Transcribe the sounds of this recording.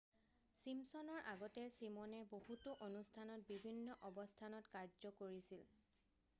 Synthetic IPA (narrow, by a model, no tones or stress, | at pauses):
simsɔnɔɹʔaɡɔtɛsimɔnɛbohutʊʔonustʰanɔt̚bibʱinːɔʔɔbɔstʰanɔtkaɹzɔkoɹisil